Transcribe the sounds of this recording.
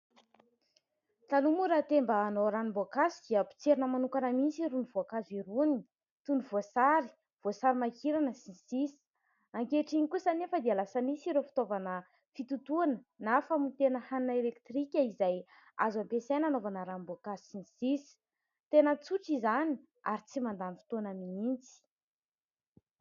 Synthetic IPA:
t̪anumuɾat̪embəːnoɾanimboakasid̪iəpi̥t͡seɾinəmanukanəmit͡siɾunivoakaziɾuni | t̪univoasaɾi | v̥osaɾimakiɾanəsinisisi̥ | aŋkeʈ͡ʂiɲikusanefəd̪ialasanisiɾefi̥t̪ovanə | fit̪ut̪uanənafamit̪enəhannəelekt̪rikʲəizaj | a̰zampesejnanovanəɾambuakazisinsisi̥ | t̪enət͡suʈ͡ʂizani | aɾit͡simand̪anifi̥t̪uanəmimint͡si̥

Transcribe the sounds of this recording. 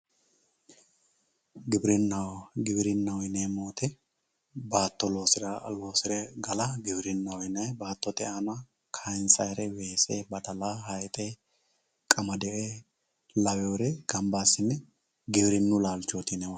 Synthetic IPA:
ɡɪbɪɾɪnːɐwɡɪbɪɾɪnːɐwɔjneːmoːt̪ɛ | baːt̪ːɔlo̞ːsɪɾɐlwoːsɪɾɛɡɐlɐɡɪbɾɪnːɐwɔjnɐjbaːt̪ːɔt̪ɛʔɐnɐ | kʰɐjnsɐjɾɛweːseːbɐt̪ɐlaːɦɐjt̪ʼe | kʼɐmɐd̪ɛʔɛ | lɐwɛwʊɾɛɡ̥ɐmbaːsɪnːɛ | ɡɪbɾɪnːʊlaːlt͡ʃːot̪ɪnɛwɐ

